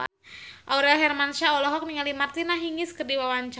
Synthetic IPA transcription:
ʔauɾɛlɦɛrmanʃaɔlɔɦɔk̚niŋalimart̪inaɦiŋiskərdiwawaɲt͡ʃa

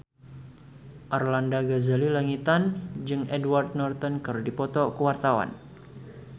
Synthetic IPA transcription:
ʔarlandaɡazalilaŋit̪and͡ʒɨŋʔɛdward̪̚nɔrt̪ɔnkɨrdipɔt̪ɔkəwart̪awa̰n

